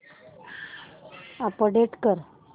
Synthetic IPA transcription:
apəɖeʈkəɾ

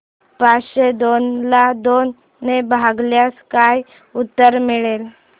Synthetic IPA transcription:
paɕed̪onlad̪onː | ebʱaɡljaskaj | ut̪ːəɾmiɭel

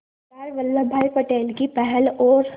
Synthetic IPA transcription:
aːɾʋɐlːabʱaːjpəʈeːlkipɛɦɛlɔːɾ

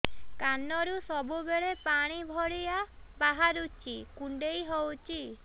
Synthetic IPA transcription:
kanɔɾusɔbubeɭepaɽ̃ibʱɔɽiabaɦaɾut͡ʃʰikuɳɖejɦowt͡ʃʰi

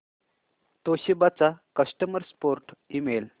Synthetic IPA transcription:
t̪oɕibat͡sakəsʈəməɾspoɾʈimel

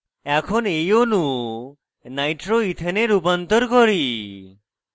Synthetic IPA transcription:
ɛkʰɔnejonũ | najʈɾoit̪ʰəneɾupɔnt̪ɔɾkɔɾi

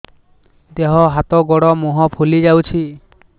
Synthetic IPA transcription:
d̪eɦɔɦat̪ɔɡɔɽɔmuɦɔpʰulid͡ʒawt͡ʃʰi

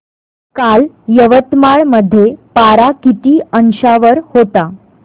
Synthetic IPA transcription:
kal | jəʋət̪maɭməd̪ʱːjepaɾakit̪iːənɕaʋəɾhot̪a

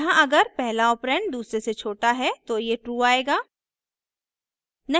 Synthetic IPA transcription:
ɦãʔɐɡəɾpɛɦlaɔːpɾɛ̃ːɳɖ̚d̪uːsɾeset͡ʃʰoːʈaɦɛt̪ojeʈɾuːaːeːɡaː | nɐ

